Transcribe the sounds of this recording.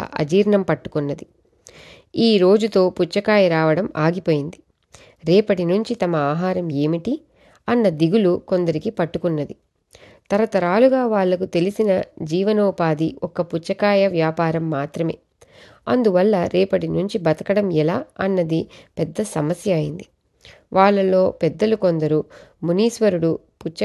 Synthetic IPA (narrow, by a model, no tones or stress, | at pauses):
ɐ̰d͡ʒiːɾɳɐmpɐʈːu̥kunːɐd̪i | iːɾo̞ːd͡ʒut̪o̞ːput͡ʃːɐkaːjɐɾaːʋɐɽɐmaːɡipo̞ːjind̪i | ɾɛːpɐʈinuɲt͡ʃit̪ɐmɐaːɦaːɾɐme̞ːmiʈi | ɐnːɐd̪iɡulukond̪ɐɾikipɐʈːukunːɐd̪i | t̪ɐɾɐt̪ɐɾaːluɡaːʋaːɭːɐkut̪e̞lisinɐd͡ʒiːʋɐnoːpaːd̪iʔɔkɐput͡ʃːɐkaːjɐʋjaːpaːɾɐmːaːt̪ɾɐme̞̰ː | ɐ̰nd̪uʋɐlːɐɾɛːpɐʈinuɲt͡ʃibɐt̪ɐkɐɽɐmɛlaːɐnːɐd̪ipɛd̪ːɐsɐmɐsjɐaːjind̪i | ʋʔaːɭːɐlo̞ːpɛd̪ːɐlukond̪ɐɾumuniːsʋɐɾuɽu | put͡ʃɐ